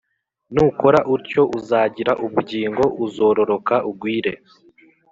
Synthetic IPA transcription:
nuko̞ɾaʔuɾco̞ʔuzaːɟiɾaʔuβuɾɟiːŋɡo̞ʔuzo̞ːɾo̞ɾo̞kaʔub̚ɡwiːɾe̞

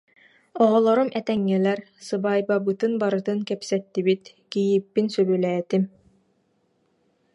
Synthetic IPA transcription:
ɔʁɔlˠɔɾumʔɛt̪ɛŋːilɛɾsɯbaːjbabɯt̪ɯnbaɾɯt̪ɯnkɛpsɛt̪ːibit̪ | kijipːinsœbylɛːt̪im

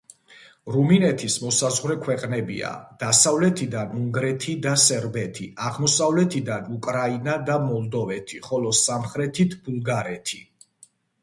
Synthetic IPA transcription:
ɾuminɛt̪ʰismɔsazʁɾɛkʰwɛqʼnɛbḭa̰d̪̥asavlɛt̪ʰid̪anuŋɡɾɛt̪ʰid̪asɛɾbɛt̪ʰiaʁmɔsavlɛt̪ʰid̪anukʼɾainad̪amɔlˠd̪ɔvɛt̪ʰiχɔlɔsamχɾɛt̪ʰit̪ʰbulˠɡaɾɛt̪ʰi

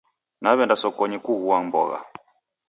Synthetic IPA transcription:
naβɛndasɔkɔɲɛkuɣuwambɔ̰ɣa̰

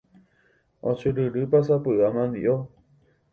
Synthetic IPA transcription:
õt͡ʃɨɾɨɾɨpasapɨʔamãnd̪ḭʔo

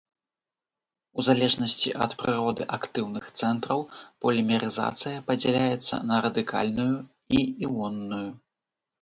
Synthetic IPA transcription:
uzalʲɛʐnɐsʲt͡sʲḭʔɐ̰t̪pɾɨɾɔd̪ɨ̰ʔakt̪ɨwnɨxt̪sɛnt̪ɾɐwpɐlʲimʲɛɾɨza̰t̪sɨjɐpɐd͡zʲɛlʲajɛt̪sːɐ̰nɐɾɐd̪ɨka̰lʲnuju | iiwɔnːuju

